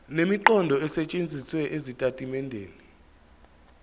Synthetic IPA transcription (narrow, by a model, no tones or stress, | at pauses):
nemiǃɔndʱɔɛsɛt͡ʃʼend͡zʱiswɛʔezitʼatʼimɛndʱḛːni